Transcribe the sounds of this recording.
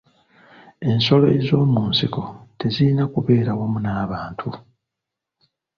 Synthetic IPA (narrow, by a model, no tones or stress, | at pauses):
e̞nso̞lo̞ḛzo̞ːmuːnsiko̞te̞ziinakuβe̞ːɾawomunaːβaːntʰu